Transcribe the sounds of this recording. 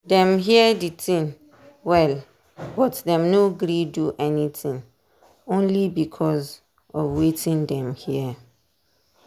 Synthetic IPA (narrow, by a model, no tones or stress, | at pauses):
dɛ̃mɦiɛditʰĩn | wɛl | bɔtdɛ̃mnoɡɾiduʔɛnitʰĩŋ | õnlibikʰɔz | ɔfwetʰĩndɛ̃mhiɛ